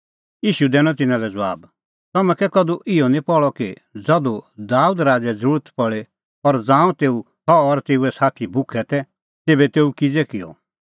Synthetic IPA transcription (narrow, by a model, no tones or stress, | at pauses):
jiːʃud̪ɛːɽ̃ɔ̃t̪ɪnãlɛd͡zʋaːb | t̪ɐmɛ̃kɛkɐd̪uʔɪɔnĩpɔɭɔki | d͡zɐd̪ud̪aːuːd̪ɾaːd͡zɛd͡zɾuːɾət̪pɔɭe | ɔɾd͡zãːũt̪eːu | hɔːɾt̪eːuɛsaːt̪ʰibʊkʰɛt̪ɛ | t̪eːbɛt̪eːukɪd͡zɛkɪjɔ̰